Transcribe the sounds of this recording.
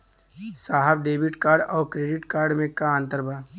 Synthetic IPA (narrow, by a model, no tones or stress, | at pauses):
saːɦɛbɖeːbɪʈkaːɾɖɔːɾkɾeːɖɪʈkaːɾɖmẽkaə̃nt̪əɾbʱaː